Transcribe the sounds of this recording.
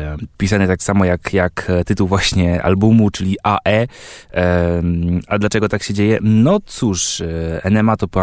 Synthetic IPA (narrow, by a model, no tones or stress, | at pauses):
pʲisanɛt̪aksamɔjakjakt̪ɘt̪uwvwaɕɲɛa̰lbumut͡ʂɘlʲiʔaʔɛ | ad̪lat͡ʂɛɡɔt̪akɕɛd͡ʑejɛnɔt̪suʂɛnɛmat̪ɔpa